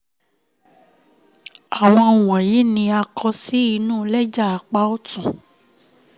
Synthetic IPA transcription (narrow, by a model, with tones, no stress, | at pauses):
a˨w̃ɔ̃˧˨wɔ̃˨ji˨˦nĩ˧a˧kʰɔ˧si˦i˧nũ˦˨˦lɛ˦d͡ʒa˦˨a˨k͡pa˦ɔ˦tũ˨